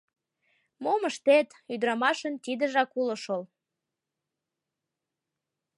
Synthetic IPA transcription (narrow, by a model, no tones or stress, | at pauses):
moməʃt̪et̪yd̪ɾɑmɑʃənt̪id̪əʒɑkuləʃol